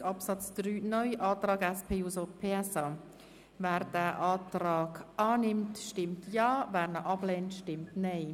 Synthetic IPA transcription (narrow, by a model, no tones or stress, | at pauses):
ɑpsɑt͡sd̥ryːnɔʏʔaːtrɑːɡɛspʰeːusopʰeːɛsa | vɛːɾd̥ɛːʔaːtɾaːɡʔaːnɪmtʃtɪmtʰjɑːvɛːɾnəʔɑbleːntʃtɪmtneɪ